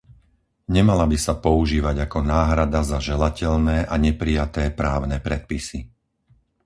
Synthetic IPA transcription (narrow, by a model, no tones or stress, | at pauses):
ɲɛmalabisapɔuʒiːʋaɟakɔnaːɦɾad̪azaʒɛlacɛʎnɛːʔaɲɛpɾijat̪ɛːpɾaːʊnɛːpɾɛt̪̚pisi